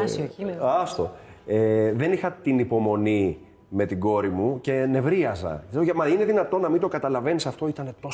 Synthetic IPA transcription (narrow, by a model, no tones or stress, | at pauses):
sɐst̪o̞eðe̞nixɐt̪inipo̞mo̞ni | me̞t̪iɡo̞ɾimuce̞ne̞vɾiɐzɐ̰seoɐmɐine̞ðinɐt̪o̞nɐmind̪o̞kɐt̪ɐlɐve̞nisɐft̪o̞it̪ɐne̞t̪o̞